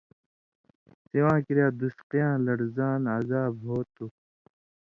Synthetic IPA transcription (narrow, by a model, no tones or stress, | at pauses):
siwãːkiɾjaːd̪usqijãːlɐɽzaːnazaːbɦoːt̪u